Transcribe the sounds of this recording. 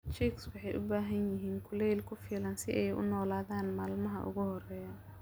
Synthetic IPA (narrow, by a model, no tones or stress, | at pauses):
t͡ʃikswɑħɑjʔʊ̰baːɦɐnjɪɦiːnkʰʊlɛjlkʰʊfiːlɐnsɪʔɛjʊ̰nɔːlaːðaːnmaːlmɐɦɐ̰ʔʊ̰ɣʊhɔrɛːjɐ